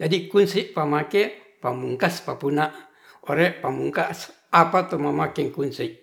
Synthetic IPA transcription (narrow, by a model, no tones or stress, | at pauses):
d͡ʒadikunsiʔpamake | pamuŋkaspapunaʔ | oɾeʔpamuŋkaʔs | apat̪omamakɛŋkunsiʔ